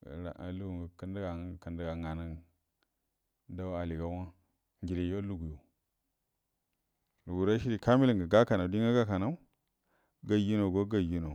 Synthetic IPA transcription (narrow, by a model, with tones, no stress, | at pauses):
ɾa̰˨ʔa˨lu˦ɡu˨ka˦nda˦ɡa˨ka˨nda˦ɡa˨ŋa˨na˦n | da˦a˨li˨ɡa˦wa˦ | ŋɡi˨li˨jo˦lu˦ɡu˨jo˨ | lu˨ɡu˨ɾa˦ʃi˦ɾi˨ka˦mi˦li˨ŋɡa˨ɡa˦ka˨na˨u˨di˦ŋɡa˦ɡa˦ka˨na˦u˦ | ɡa˦ju˦no˨ɡo˦ɡa˦ju˦no˨